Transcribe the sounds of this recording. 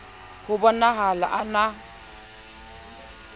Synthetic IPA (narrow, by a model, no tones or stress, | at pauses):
hʊbɔnaɦala̰ʔana